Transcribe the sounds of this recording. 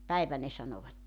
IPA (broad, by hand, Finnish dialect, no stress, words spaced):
pæiʋæ ne sɑnoʋɑtːe